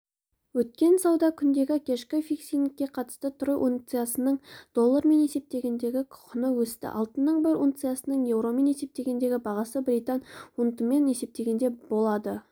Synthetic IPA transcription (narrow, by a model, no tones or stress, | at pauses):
wɵt̪̚kʲe̞nsɑwd̪ɑkʲʰʏnd̪e̞ɡʲɪkʲʰe̞ʃkʲɪfijksijnɪkʲːe̞qʰɑt̪ə̥st̪ət̪ʰʊɾəʔunt̪sɨjasənəɴd̪̥o̞lˠːaɾme̞ne̞se̞p̚t̪e̞ɡʲe̞nd̪e̞ɡʲɪkʰʊ̥qʰʊnəwɵst̪ɪ̰ʔɑ̰lˠt̪ənːəɴbɪɾunt̪sɨjasənəɴje̞wɾo̞me̞ne̞se̞p̚t̪e̞ɡʲe̞nd̪e̞ɡʲɪbɑʁɑsəbɾijt̪ɑnunt̪əme̞ne̞se̞p̚t̪e̞ɡʲe̞nd̪e̞bo̞lˠɑd̪ə